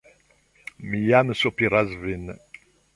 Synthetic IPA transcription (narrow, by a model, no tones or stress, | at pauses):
mijaməsopiɾˤazvin